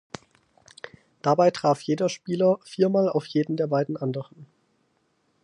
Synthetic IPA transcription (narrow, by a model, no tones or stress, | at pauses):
d̥abaɪtʁ̥aːfjeːdɐʃpiːlɐfiːɐmaːla̰ʊfjeːdn̩deːɐbaɪdn̩ʔandəʁən